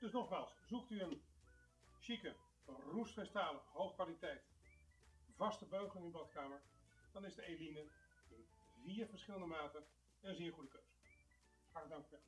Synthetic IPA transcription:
d̥ɵsnɔχmaːlˠsz̥uktyən | ʃikə | rusfɛstaːləɦowχkʋaːlitɛjt | vɑstəbøɥχɪnybɑtkaːməɹ | d̥ɑnɪzdəejlinə | ɪnviːɹvəɹsχɪləndəmaːtə | ənzɪːɹχudəkøɥz̥ə̥ | aədɑŋkyʋɛlˠ

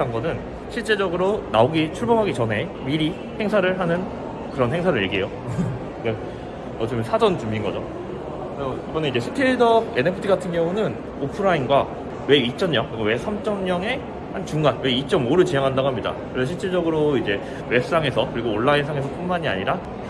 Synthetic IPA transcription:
aŋɡʌnɯn | ɕʰiɭt͡ɕ͈e̞d͡ʑʌɡɯɾonaoɡit͡ɕʰuɭboŋɦaɡit͡ɕʌne̞ | miɾi | he̞ŋsʰaɾɯɭɦanɯn | kɯɾʌnhe̞ŋsʰaɾɯɭiɭɡiejo | ik͈a | ʌt͡ɕ͈ʌmjʌnsʰad͡ʑʌnt͡ɕuminɡʌd͡ʑo | kɯʌibʌneid͡ʑe̞sʰɯ̥tʰeɭdʌenepʰɯ̥tʰiɡatʰɯnɡjʌŋunɯn | opʰɯɾainɡwa | we̞it͡ɕ͈ʌnɲʌŋkɯɾiɡowe̞sʰamt͡ɕ͈ʰʌmɲʌŋe̞ | hant͡ɕuŋɡanwe̞it͡ɕ͈ʌmoɾɯɭt͡ɕiɲaŋɦandaɡoɦamɲida̰kɯɾesʰʌɕʰiɭt͡ɕ͈e̞d͡ʑʌɡɯɾoid͡ʑe̞ | we̞s͈aŋe̞sʰʌkɯɾiɡoːɭːaesʰaŋe̞sʰʌp͈unmaɲia̰ɲiɾa

